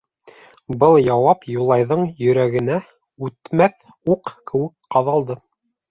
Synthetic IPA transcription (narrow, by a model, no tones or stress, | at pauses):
bɤlˠjɑwɑpjulˠɑjðɤɴjɵ̆ɾæɡɘ̆næ | ʉt̪mæθ | uqkɘ̆wɘkqɑðɑlˠd̪ɤ